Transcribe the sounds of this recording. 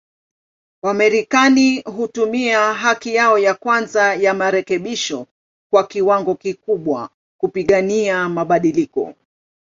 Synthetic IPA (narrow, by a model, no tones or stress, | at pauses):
wamɛɾikaniɦutumiaɦakijaɔjakwanzajamaɾɛkɛɓiʃɔ | kwakiwaŋɡɔkikuɓwa̰ | kupiɠaniamaɓaɗilikɔ̰